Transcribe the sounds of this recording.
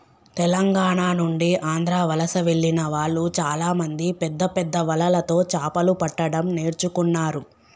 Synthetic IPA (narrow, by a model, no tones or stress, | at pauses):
t̪ɛlɐŋɡaːɳaːnuɳɖiʔaːnd̪ʱɾaːʋɐlɐsɐʋe̞ɭːinɐʋaːɭːut͡ʃaːlaːmɐnd̪ipɛd̪ːɐpɛd̪ːɐʋɐlɐlɐt̪o̞ːt͡ʃaːpɐlupɐʈːɐɽɐmne̞ːɾt͡ʃukunːaːɾu